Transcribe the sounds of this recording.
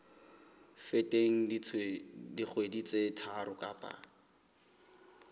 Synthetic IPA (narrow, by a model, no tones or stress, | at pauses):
fetʼeŋ̩di | dik͡xʰwedit͡sʼetʰaɾʊkʼa̰ːpʼa̰